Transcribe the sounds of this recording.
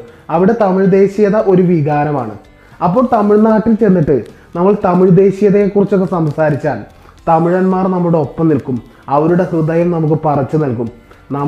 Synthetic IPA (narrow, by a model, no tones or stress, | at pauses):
ɐʋiɽe̞t̪ɐmiɻd̪e̞ːɕijɐðɐʔo̞ɾuʋiɣaːɾɐma̰ːɳɨ̰ | ɐpːoːɭt̪ɐmiɻnaːʈːilt͡ɕe̞nːiʈːɨ | nɐmːɐɭt̪ɐmiɻd̪e̞ːɕijɐðekːurit͡ɕːo̞k̬ːesɐmsaːɾit͡ɕːaːn | t̪ɐmiɻɐnmaːrnɐmːɻuɽeo̞pːɐmnilkum | ɐʋɐɾuɽe̞srɨd̪ɐjɐmnɐmuk̬ːɨpɐrɐt͡ɕːɨnɐlkum | nɐm